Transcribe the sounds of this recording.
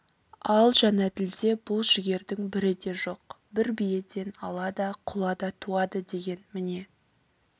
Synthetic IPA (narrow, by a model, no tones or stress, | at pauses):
ɑlˠʒɑnɑd̪ɪld̪e̞bʊlˠʃɪɡʲe̞ɾd̪ɪŋbɪɾɪd̪e̞ʒo̞q̚ | bɪɾbije̞t̪e̞nɑlˠɑd̪ɑqʰʊlˠɑd̪ɑt̪ʰuɑd̪əd̪e̞ɡʲe̞nmɪne̞